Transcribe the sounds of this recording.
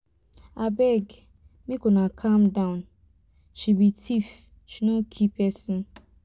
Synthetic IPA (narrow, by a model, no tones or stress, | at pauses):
abɛɡ | mikonakʰamdaʊ̃n | ʃibitʰif | ʃinokʰipɛsɪn